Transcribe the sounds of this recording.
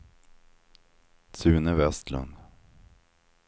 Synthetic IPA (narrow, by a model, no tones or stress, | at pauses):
sʉːnəvɛst̪lɵ̰nd̪